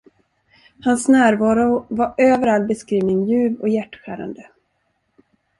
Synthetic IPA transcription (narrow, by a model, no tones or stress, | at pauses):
hansnæːɾvɑːɾʊvaɾʔøːvəɾalbɛskɾiːvnɪŋjʉ̟ːvɔjæʈːɧæ̰ːɾa̰nd̪ə